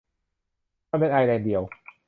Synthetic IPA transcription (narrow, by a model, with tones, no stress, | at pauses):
me˧˥˩nʔa˧jna˧˩di˧˩əw